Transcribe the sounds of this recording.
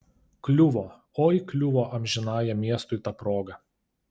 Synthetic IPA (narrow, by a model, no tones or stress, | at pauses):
klʲʊʋɔː | oːiklʲʊʋoːʔɐmʲʒʲɪnɑːjɛmʲiɛst̪ʊɪt̪ɑpɾoːɡɐ